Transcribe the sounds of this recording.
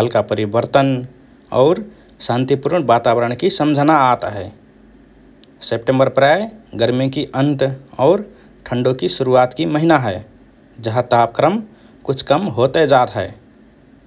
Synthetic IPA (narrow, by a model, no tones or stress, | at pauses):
ɦəlkapəɾibəɾt̪ən | ɔ̰ːɾ | sãnt̪ipuɾɳbat̪abəɾəɳkisəmd͡ʒʱənaːt̪ɦɛ | sep̚ʈẽmbəɾpɾajɡəɾmikiʔənt̪ɔːɾ | ʈʰəɳɖokisuɾuat̪kiməɦinaɦɛ | d͡ʒəɦət̪ap̚kɾəm | kut͡ʃʰkəmɦot̪ɛd͡ʒat̪ɦɛɪ